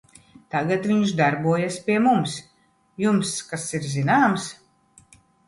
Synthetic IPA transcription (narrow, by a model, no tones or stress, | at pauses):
t̪aɡat̪vʲiɲuʃd̪aɾbuɔjaspʲiɛmums | jumskasiɾzinaːms